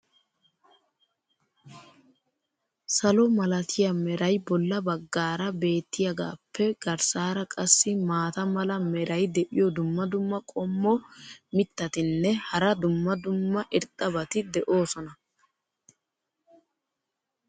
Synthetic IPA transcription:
sɐlɔmɐlɐt̪ʰɪjɐmɛɾɐjbɔlːɐbɐɡːaːɾɐbe̞ːt̪ːɪjɐɡa̰ːpːɛɡ̥ɐɾsaːɾɐkʼɐsːɪmaːt̪ɐmɐlɐmɛɾɐjd̪ɛʔɪjɔd̪ʊmːɐd̪ʊmːɐkʼɔmːɔmɪt̪ːɐt̪ɪnːɛhɐɾɐd̪ʊmːɐd̪ʊmːɐʔɪɾt̪ʼːɐbɐt̪ɪd̪ɛʔo̞ːsɔnɐ

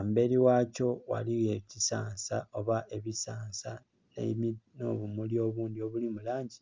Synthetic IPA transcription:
ambe̞liwaːco̞wa̰liɣecisa̰ːnsao̞βaʔe̞βisaːnsa | nḛmino̞̰βumulio̞βuːndio̞βulimulaːɲɟi

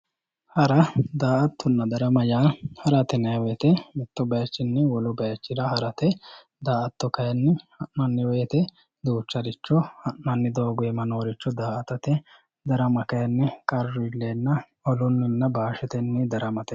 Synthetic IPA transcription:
hɐɾɐd̪aːʔɐt̪ʰːʊnːɐd̪ɐɾɐmɐjaːhɐɾɐt̪ɛnɐjɐwɛt̪ɛmɪt̪ːɔbɐjɐt͡ʃːɪnːɛwɔlʊbɐjɐt͡ʃːɪɾɐhɐɾɐt̪ɛ | d̪aːʔɐt̪ːɔkɐjɐnːɪhɐʔnɐnːɪwɛːt̪ɛ | d̪uːt͡ʃːɐɾɪt͡ʃːɔhɐʔnɐnːɪd̪oːɡʊɛmɐno̞ːɾɪt͡ʃːɔd̪aːɐt̪ɐt̪ɛ | d̪ɐɾɐmɐkɐjɐnːɪkʼɐɾːʊɪlːenːɐ | ɔlʊnːɪnːɐbaːʃɛt̪ɛnːɛd̪ɐɾɐmɐt̪ɛ

